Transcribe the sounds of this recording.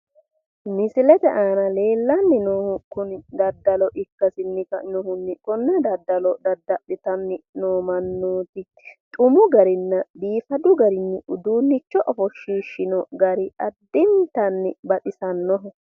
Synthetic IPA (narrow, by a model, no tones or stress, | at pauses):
mɪsɪlɛt̪ɛʔaːnɐle̞ːlːɐnːɪnɔhkʊnd̪ɐd̪ːɐlɔʔɪkːɐsɪnːɪkɐnɔhʊnːɪkɔnːɛd̪ɐd̪ːɐlɔd̪ɐd̪ɐʔɪt̪ɐnːɪnoːmɐnːoːt̪ɪ | t̪ʼʊmʊɡɐɾɪnːɐd̪iːfɐd̪ʊɡɐɾɪnːɪʊd̪uːnːɪt͡ʃːɔʔɔfɔʃiːʃːɪnɔɡɐɾɪʔɐd̪ːɪnt̪ɐnːɪbɐᶑɪsɐnːɔɦɔ